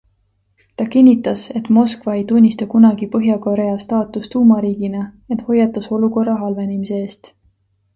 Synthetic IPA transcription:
t̪ɑkinʲːit̪ːˑɑse̞t̪ːˑmo̞skvɑe̞jt̪unʲːist̪ɑkunɑɡ̥ipɤɦjɑko̞ɾe̞ɑst̪ɑːt̪ˑust̪uːmɑɾiːɡ̥inɑ | et̪ho̞jːɑt̪ːˑɑso̞luko̞rːɑɦɑlvenʲimise̞eːst̪

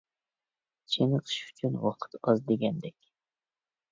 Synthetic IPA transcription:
t͡ʃʰenəqʰɨ̥ʃy̥t͡ʃʰynwɑqʰə̥t̪ɑzd̪eɡʲɛnd̪ɛkʲ

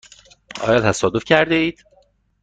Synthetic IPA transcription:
ɒ̰ːjɒːt̪ʰæsɒːd̪ofcʰæɾd̪eiːd̪̥

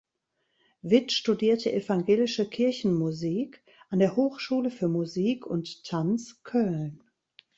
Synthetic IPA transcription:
vɪtʃtudiːɐtʰəʔɛfaŋɡeːlɪʃəkʰɪɐçn̩muziːk | ʔandeːɐhoːxʃuːləfyːɐmuziːkʰʊnttʰːant͡skʰœln

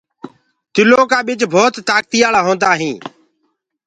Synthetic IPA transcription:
t̪ɪloːkaːɓɪt͡ʃbʱoːt̪ːaːk̚t̪iːjaːlaːɦõːnd̪aːɦĩː

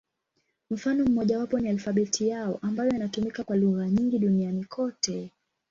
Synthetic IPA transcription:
m̩fanɔm̩mɔʄawapɔnialfaɓɛtʰijaɔʔambajɔinatumikakwaluɣaɲiŋɡiɗunianikʰɔtɛ

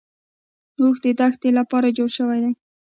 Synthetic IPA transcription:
ɾuxd̪əd̪axt̪elapɑɾad͡ʒoɽʃəwajd̪aj

